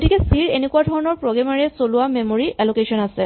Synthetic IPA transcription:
ɡtikɛsiɹenekuadʱɔɹɔnɔɹpɹɔɡɛmaɹɛsolʊwamemoɹiɛlokesɔnasɛ

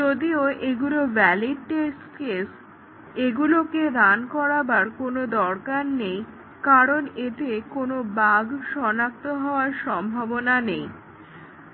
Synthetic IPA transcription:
d͡ʒod̪ioʔeɡulobɛliɖʈes | kes | eɡuloked̪ankɔɾabaɾkonod̪ɔɾkanːej | kaɾonet̪ekonobaɡʃɔnak̚t̪oɦɔoaɾʃɔmbʱabonanej

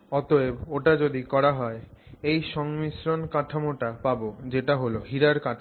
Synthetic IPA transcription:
ɔt̪oeboʈad͡ʑod̪ikɔɾaɦɔeejʃɔŋmisɾonkaʈʰamoʈapabod͡ʑeʈaɦoloɦiɾaɾkaʈʰa

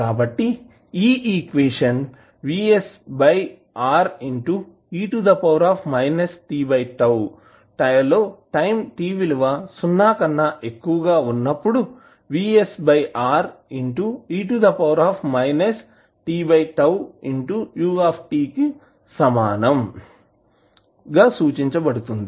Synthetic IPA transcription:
kaːbɐʈːi | iːiːkʋeːʂɐn | ʋiːesbɐj | aːɾiɳʈu | iːʈud̪ɐpɐwɾaːpʰmɐjnɐsʈiːbɐjʈɐw | ʈɐjɐlːo̞ːʈɐjmʈiːʋiluʋɐsunːaːkɐnːɐʔekːuʋɐɡaːunːɐpːuɽu | ʋiːesbɐjʔaːɾiɳʈuiːʈud̪ɐpɐwɾaːpʰmɐjnes | ʈiːbɐjʈɐwiɳʈujuːaːpʰʈiːki | sɐmaːnɐm | ɡaːsuːt͡ʃiɲt͡ʃɐbɐɽut̪und̪i

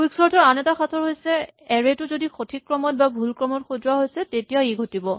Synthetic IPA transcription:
iksɔɹtɔɹanɛtaxatʰɔɹɦojsɛɛɹetʊzodixʰotʰikːɹɔmɔt̚babʱulkɹɔmɔtxodwaɦojsɛtetijaiɡʱotibɔ

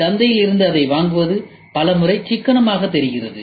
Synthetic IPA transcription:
t̪ɐnd̪ɐjɪlɪɾɯnd̪ɯɐðɐɪʋaːŋɡɯʋɐðɯ | pɐlɐmɯrɐɪt͡ʃɪkːɐɳɐmaːɣɐt̪ːɛɾɪɣɪrɐðɯ

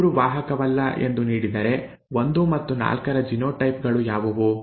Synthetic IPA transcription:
ɾuʋaːɦɐkɐʋɐlːɐʔe̞̰nd̪uniːɽid̪ɐɾe̞ | ʋo̞nd̪umɐt̪ːuna̰ːlkɐɾɐd͡ʒinoːʈɐjp̚ɡɐɭujaːʋɐʋu

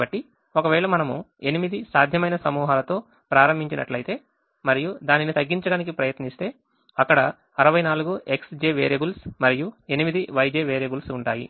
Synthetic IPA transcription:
bɐʈːi | okɐʋɛːɭɐmɐnɐmue̞nimid̪isaːd̪ʱjɐmɐjnɐsɐmuːɦaːlɐt̪o̞ː | pɾaːɾɐmbʱiɲt͡ʃinʔɐ̰ʈlɐjt̪e̞ː | mɐɾijud̪aːninit̪ɐɡːiɲt͡ʃɐɽaːnik̬ipɾɐjɐt̪nist̪e̞ː | ɐkːɐɽɐ | ɐɾɐʋɐjnaːluɡuʔe̞ksd͡ʒeːʋeːɾebulsmɐɾijue̞nimid̪iʋɐjd͡ʒeːʋeːɾebulsuɳʈaːjḭ

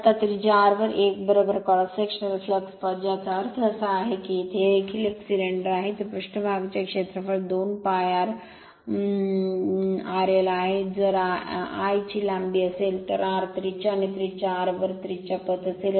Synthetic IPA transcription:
at̪at̪ɾit͡ɕaɾʋəɾʔekbəɾobəɾkɔɽasekʂənəɾiflekspəd͡ʑat͡saɾsʰəsaːɦekiit̪ʰeːkʰileksiɖeɳɖəɾaɦet̪əɾpɾuʂʈəbʱaɡt͡ɕakʂet̪ɾəfəɽd̪onpajaɾ | aɾelaɦed͡zəɾaajt͡ɕilambiəselt̪əɾaɾt̪ɾit͡ɕaːñit̪ɾit͡ɕaɾʋəɾt̪ɾit͡ɕapət̪əsel

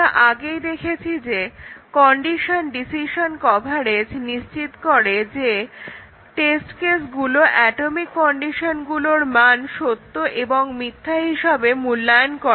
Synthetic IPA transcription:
aʔaɡejd̪ekʰet͡ɕʰid͡ʑekɔɳɖiʃonɖisiʃonkɔbʱaɾed͡ʑniʃt͡ɕit̪koɾed͡ʑe | ʈesʈkesɡuloʔɛʈomikːɔɳɖiʃonɡuloɾmanʃot̪ːoʔeboŋmit̪ʰːaɦiʃabemulːajonkɔ

